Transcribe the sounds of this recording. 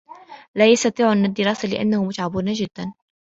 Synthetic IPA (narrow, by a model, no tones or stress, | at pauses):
laːjɑst̪ɑt̪ˤiːʕʔanːad̪ːɪɾɑːsalɪʔa̰nːahʊmʊt̪ʕabuːnad͡ʒɪd̪̥ːan